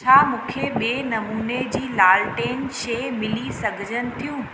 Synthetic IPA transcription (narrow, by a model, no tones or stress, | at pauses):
t͡ɕʰaːmũːkʰeɓieːnɐmuːned͡ʑiːlaːlʈeːnʃeːmɪlisɐɡʱɪd͡ʑʱənɪ̆t̪ʰijũː